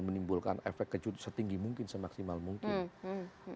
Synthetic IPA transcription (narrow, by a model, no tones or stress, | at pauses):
mənimbulka̰nḛfɛk̚kːəd͡ʒut̪sət̪iŋɡimuŋkɪnsəmaksimalmuŋkɪn